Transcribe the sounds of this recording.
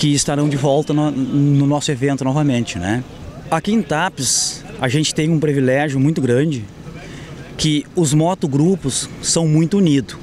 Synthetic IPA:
kɪɪst̪aɾɐ̃w̃d͡ʒɪvɔwt̪ɐnɐnʊnɔsʊevẽnt̪ʊnɔvɐmẽnt͡ʃɪnɛ̰ | akiẽt̪apɪsaʒẽnt͡ʃɪ̥t̪ẽj̃ũpɾivilɛʒjʊmũj̃t̪ʊɡɾɐ̃d͡ʒɪ | kɪʊzmɔt̪ʊɡɾupʊsːɐ̃w̃mũj̃t̪ʊunid̪ʊ

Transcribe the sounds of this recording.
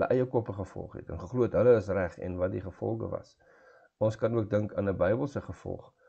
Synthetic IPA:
lə̰ʔəjəkɔpəχəfɔ̰lˠχɦɛ̰tənχəχluətɦələəsræχɛ̰nvɐt̚diχəfɔ̰lˠχə̰vɐ̰s | ɔnskɐnuək̚dəŋkɑːnəbəjbəlˠsəχəfɔ̰lˠχ

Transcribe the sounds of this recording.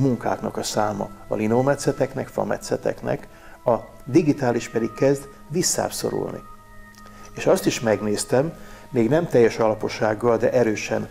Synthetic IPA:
muŋka̰ːknɒkɒsaːmɒ̰ɒ̰linoːmɛt̪sɛt̪ɛknɛkfɒ̰mɛ̰t̪sɛt̪ɛ̰knɛ̰k | ɒ | d̪iɡit̪aːliʃpɛd̪ikːɛzd̪ | ʋisːa̰ːbso̞̰ɾṵlnḭ | eːʃɒst̪iʃmɛɡneːst̪ɛmːeːɡnɛmt̪ɛjːɛʃɒlɒpo̞ʃaːɡːɒld̪ɛʔɛɾøːʃɛ̰n

